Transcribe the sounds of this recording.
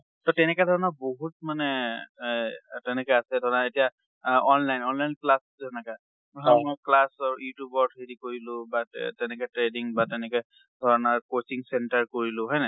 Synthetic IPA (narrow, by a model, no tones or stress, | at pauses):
tɔtɛnɛkɛdʱɔɹɔnɔboɦut̚manɛ | tɛnɛkɛasɛdʱɔɹɔnaetija | ɔnlajnɔnlajnplaszɛnɛka | ɦɔmɔjklasaɹjutubɔɹtʰɹedikoɹilʊ̃batɛnɛkɛtɹediŋbatɛnɛkɛ | dʱɔɹɔnaɹkot͡ʃiŋsɛntaɹkoɹilʊ̃ɦɔjnɛ